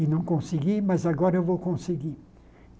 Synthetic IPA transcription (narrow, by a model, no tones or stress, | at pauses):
inɐ̃kõsiɡimɛzaɡɔɾevokõseɡi